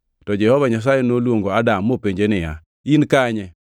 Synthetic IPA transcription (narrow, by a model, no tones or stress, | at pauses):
tɔd͡ʒɛhɔvaɲas̬ajɛnolwoŋɡoadamːopeɲd͡ʒenɪja̰ | inkaɲɛ